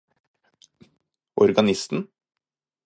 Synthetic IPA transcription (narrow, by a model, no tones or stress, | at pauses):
ʔɔɾɡɑnɪst̪n̩